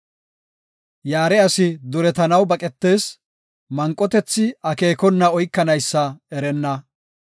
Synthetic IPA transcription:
jaːɾɛɐsɪd̪ʊɾɛt̪ɐnɐwbɐkʼɛt̪ːe̞ːs | mɐŋkʼːɔt̪ɛt͡sːɪɐke̞ːkɔnːɐɔjkːɐnɐjsːɐɛɾɛnːɐ

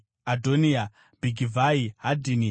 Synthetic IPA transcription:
adʱonia | bʱiɡʱivaiɦadʱini

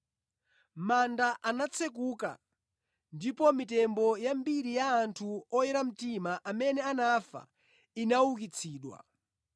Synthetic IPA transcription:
mandaʔanat͡sʰɛk̬uka̰ | ndipɔmitɛmbɔjambiɾijaːntʰuɔjɛɾam̩timaʔamɛnɛanafa̰ | inawukit͡sʰiːɗwa̰

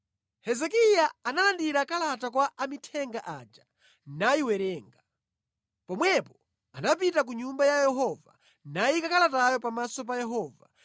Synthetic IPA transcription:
hɛzɛkijaanalandiɾakalatakwaʔamitʰɛŋɡaʔad͡ʒa | naiwɛɾɛːŋɡa | pɔmwɛpɔ | anap̬itak̬uɲumbajajɛɦɔva̰ | naikakalatajɔpamasɔp̬ajɛɦɔːva̰

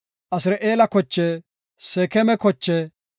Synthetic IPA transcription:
ʔɐsɪɾɐʔeːlɐkɔt͡ʃːɛ | sɛkɛmɛkɔt͡ʃːɛ

